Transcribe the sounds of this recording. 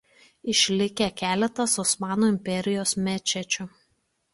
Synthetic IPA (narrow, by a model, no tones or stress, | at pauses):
ɪʃʲlʲɪkʲɛkʲæːlʲɛt̪ɐsɔsmɑːnoːɪmʲpʲɛɾʲɪjoːsmʲɛt͡ʃʲɛt͡ʃʲʊ